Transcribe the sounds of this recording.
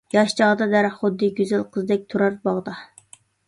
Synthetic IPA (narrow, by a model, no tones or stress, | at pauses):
jɑʃt͡ʃʰɑʁd̪ɑd̪æɾχʊd̪ːɨɡʲyzælqʰəzd̪ɛk̚ʲt̪ʰuɾɑɾbɑʁd̪ɑ